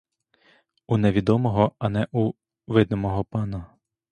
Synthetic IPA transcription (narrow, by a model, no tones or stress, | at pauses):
unɛʋʲid̪ɔmɔɦɔɐnɛʔu | ʋɪd̪nɔmɔɦɔpɑnɐ